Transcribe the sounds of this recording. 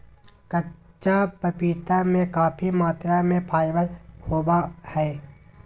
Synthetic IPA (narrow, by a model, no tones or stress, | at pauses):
kə | t͡ʃʃapəpiːt̪amẽkaːpʰimaːt̪ɾamẽpʰaːɪbəlhoːbahɛː